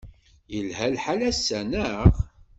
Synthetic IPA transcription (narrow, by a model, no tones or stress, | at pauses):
jəlhælħalæsːænəʁ